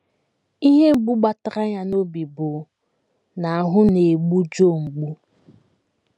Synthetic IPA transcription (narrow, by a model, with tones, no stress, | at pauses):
i˦ɦe˦m̩˦ɡ͡bu˦ɡ͡ba˦ta˦ɾa˦ɲa˦no˦bi˨bo˨ | na˨a˨ɦʊ˦ne˨ɡ͡bu˦d͡ʒo˦˨ŋ͡m̩˨ɡ͡bu˦